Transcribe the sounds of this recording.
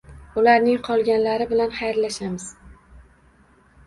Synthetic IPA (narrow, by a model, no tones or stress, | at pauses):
ʊlaɾnɪŋqʰɒlˠɡʲanlaɾɪbɪlanχajɾlaʃamɪz̥